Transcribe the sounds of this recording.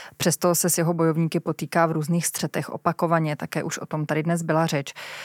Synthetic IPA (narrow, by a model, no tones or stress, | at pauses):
pr̥ɛst̪o̞sɛsjɛɦo̞bo̞jo̞vɲiːkɪpo̞t̪iːkaːvɾuːzniːxst̪r̝̥ɛt̪ɛxʔo̞̰pako̞vaɲɛt̪akɛːʔuʃʔo̞t̪o̞mt̪adɪdnɛzbɪlar̝ɛt͡ʃ